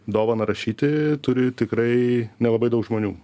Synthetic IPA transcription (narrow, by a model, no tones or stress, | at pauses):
d̪oːʋɐnɐɾɐʃʲiːt̪ʲɪt̪ʊɾʲɪt̪ʲɪkɾɐɪnʲɛlˠɐbɐɪd̪ɐʊkʒmoːnʲuː